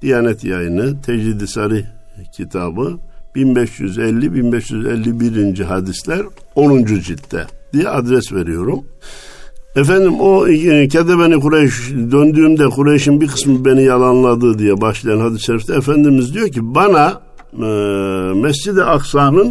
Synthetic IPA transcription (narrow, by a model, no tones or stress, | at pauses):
d̪̥ijaːnɛt̪jajɯnɯt̪ʰɛd͡ʒlid̪isaɾi | cʰit̪ʰaːbɯb̥inbɛʃjy̰zɛlʲːibinbɛʃjyzɛ̰lʲːibiɾind͡ʒiɦad̪islʲæɾo̞nund͡ʒud͡ʒit̪ʰːɛ̰d̪̥ijɛad̪ɾɛsveɾijo̞ɾum | ɛfænd̪imo̞cʰɛd̪ɛbenikuɾajɯʃd̪ønd̪yːmd̪ɛkʰuɾajɯʃɯnbiɾkʰɯ̥smɯbe̞nijalˠanlˠad̪ɯːd̪ijɛbaʃlˠajanhad̪isʃeɾift̪ʰɛːfænd̪imizd̪ijoɾcibana | mɛsd͡ʒid̪iʔaksaːnɯn